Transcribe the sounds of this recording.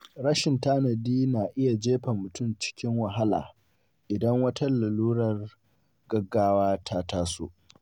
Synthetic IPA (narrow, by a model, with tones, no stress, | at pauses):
ɽɐ˦ʃɪ˨ntaː˦nɐ˨diː˦naː˨ʔɪ˦ja˨d͡ʒeː˦ɸa˨mʊ˨tʊ˦˨mt͡ʃɪ̥˦kʲɪ˦ŋwɐ˨ɦa˦la̰ː˨ | ʔɪ˨dɐ˦ŋwɐ˦tɐ˦lːɐ˨luː˦ɽɐ˨r | ɡɐ˦ɡːaː˦waː˦tʰaː˦taː˦so̰˦ʔ